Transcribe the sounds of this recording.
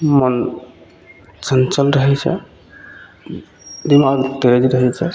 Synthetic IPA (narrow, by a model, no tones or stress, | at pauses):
mən | sənt͡ʃəlɾəɦɛt͡ʃʰɛ̰ | d̪imaɡt̪ed͡ʒiɾəɦɛt͡ʃʰɛ